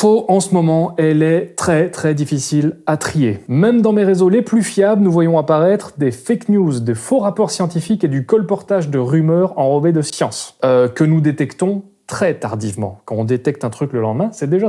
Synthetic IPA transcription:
foɑ̃səmɔmɑ̃ɛlɛt̪χɛt̪χɛd̪ifisilat̪χiemɛmd̪ɑ̃meʁezoleplyfjablnuvwajɔ̃apaʁɛt̪χd̪efaknjuzd̪efoʁapɔʁsjɑ̃t̪ifiked̪ykɔlpɔʁt̪aʒd̪əʁymœʁɑ̃ʁɔved̪əsjɑ̃søkənud̪et̪ɛkt̪ɔ̃ | t̪χɛt̪aʁd̪ivmɑ̰̃kɑ̃ɔ̃d̪et̪ɛk̚t̪ɛ̃t̪χykləlɑ̃d̪mɛ̃sɛd̪eʒa

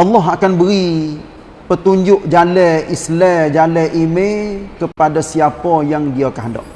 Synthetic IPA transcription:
ʔɑlːɑɦakanbəɾi | pət̪uɲd͡ʒʊʔd͡ʒalɛʔislɛd͡ʒalɛʔimekəpadasiapɔjaŋdiakaɦdɔ̰ʔ̚

